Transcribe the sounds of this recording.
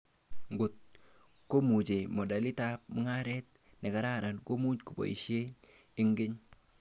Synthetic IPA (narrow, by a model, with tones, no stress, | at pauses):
ŋɡʊ˨t̚ | ko˦mu˨t͡ʃe˨mɔ˨da˨lɪ˦tap̚mʊ˦ŋa˦ɾɛt̚ | nɛ˨ka˦ɾa˦ɾa˨nko˦mu˦ɲku˨bɔ̰˨ḭ˨ʃe˦ | ɪ˦ŋɡɪ˦ɲ